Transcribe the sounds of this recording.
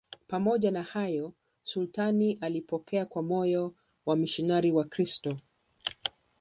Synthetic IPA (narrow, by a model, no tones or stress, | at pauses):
pamɔʄanahajɔ | sultaniʔalipɔkɛakwamɔjɔ | wamiʃinaɾiwakɾistɔ